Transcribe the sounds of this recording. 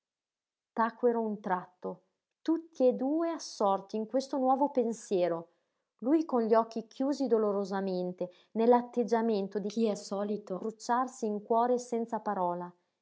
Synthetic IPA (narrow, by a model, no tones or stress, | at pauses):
t̪akweɾount̪ɾat̪ːo | t̪ut̪ːied̪uːeasːɔrt̪iːŋkwest̪onwɔːvopensjɛːɾo | lujkonʎiɔk̟ːikʰjuːzid̪oloɾozament̪e | nelːat̪ːed͡ʒːament̪od̪ikiɛsɔːlit̪obɾut͡ʃːarsiːŋkwɔːɾesɛnt̪sapaɾɔːla